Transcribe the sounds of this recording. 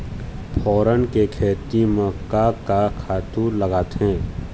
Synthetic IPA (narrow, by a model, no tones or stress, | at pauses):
pʰɔːɾənkekʰeːt̪imẽkakakʰaːt̪ũləɡaːt̪ɦɛ̃ː